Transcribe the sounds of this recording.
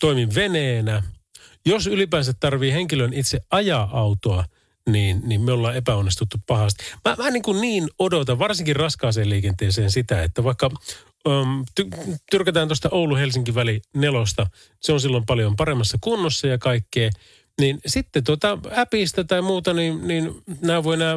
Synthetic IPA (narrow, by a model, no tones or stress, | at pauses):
t̪oimiʋʋeneːnæ | josylipæːnsæt̪tɑrʋiːheŋkilønit̪seʔɑjɑʔɑut̪oɑ | niːnnimmeolːɑːepæonːist̪ut̪ːuppɑhɑst̪i̥mæmæniŋkunniːnodot̪ɑʋʋɑrsiŋkirrɑskɑːseːliːkent̪eːseːnsit̪æḛt̪ːæʋɑikːɑ | mt̪yt̪yrkæt̪æːnt̪ost̪ɑʔouluhelsiŋkiʋælinelost̪ɑ | seonsilːompɑljompɑɾemːɑsːɑkunːosːɑjɑkɑikːeː | ninsit̪ːet̪uot̪ɑæpist̪æt̪ɑimuːt̪ɑninninnæːʋoienæː